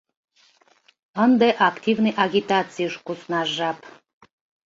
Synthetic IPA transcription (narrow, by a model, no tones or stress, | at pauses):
ənd̪əʔakt̪ʲivnɨjʔaɡʲit̪at̪t͡sɨjʃkusnɑʒap